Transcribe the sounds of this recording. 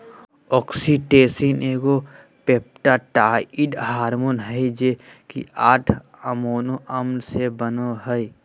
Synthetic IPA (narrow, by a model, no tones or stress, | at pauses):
ɔːksiʈeːsineːɡo | peːp̚ʈaʈaːiɖɦaːɾmonɦəid͡ʒeːkḭaːʈʰ | əmoːnoʔɐmnsebənoɦə